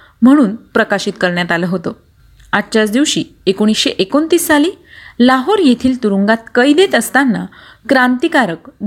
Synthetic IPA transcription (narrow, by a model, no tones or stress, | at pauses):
m̤əɽ̃uːnpɾəkaɕiːt̪kəɾɳjat̪aləːɦot̪o | at̪t͡ɕat͡sd̪iʋɕiːekoɽ̃isɕeʔekont̪iːsːaliː | laɦoɾjet̪ʰiːlt̪uɾuŋɡat̪̚kəjd̪et̪əst̪anːa̰ | kɾant̪ikaɾəkd̪